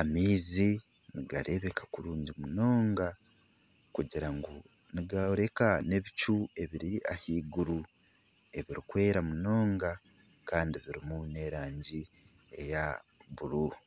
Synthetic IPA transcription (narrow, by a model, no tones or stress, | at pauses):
amiːzi | niɡaɾʔe̞βe̞kʰḁkuɾuːɲɟimuno̞ːŋɡa | kuɟiɾaŋɡo | niɡaoɾe̞kane̞βit͡ʃue̞βiɾiahiːɡuɾu | e̞βiɾikwe̞ːɾamuno̞ːŋɡa | kaːndiβiɾimune̞ɾaːɲɟi | e̞̰jaβuɾu